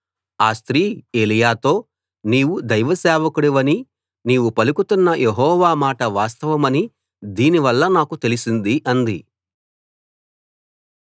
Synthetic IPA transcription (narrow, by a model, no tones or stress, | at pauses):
aːst̪ɾiːe̞ːlijaːt̪o̞ː | niːwud̪ɐjʋɐsɛːʋɐkuɽɐʋɐni | niːwupɐlukut̪unːɐjʔeɦɔːʋaːmaːʈɐʋaːst̪ɐʋɐmɐni | d̪iːniʋɐlːɐnaːkut̪e̞lisind̪iʔɐnd̪i